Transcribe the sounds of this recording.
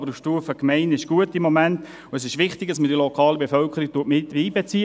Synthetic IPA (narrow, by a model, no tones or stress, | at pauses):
bəɾufʃtuːfəkmɛɪnɪʃɡ̥uətɪmːoɔmænt | ʊɛs̬ɪʃʋɪχtɪɡ̥̚dɑsməd̥iəlokʰɑːləbefœlkχəɾik̚tuətmɪtiːbet͡siː